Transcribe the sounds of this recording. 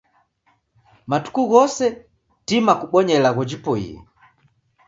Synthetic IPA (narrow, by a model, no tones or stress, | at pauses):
matu̥kuɣɔsɛ | timakuɓɔɲɛlaɣɔd͡ʒipɔḭɛ̰